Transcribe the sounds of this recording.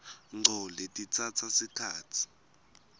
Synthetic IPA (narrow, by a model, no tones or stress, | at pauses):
ŋ͡ǀʱɔletʼit͡sʰat͡sʰasikʰaːtʰi̥